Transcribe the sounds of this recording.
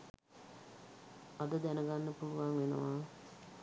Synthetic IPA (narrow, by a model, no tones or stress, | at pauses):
ad̪əd̪ɛnəɡanːəpuluʋaŋʋenə̰ʋaː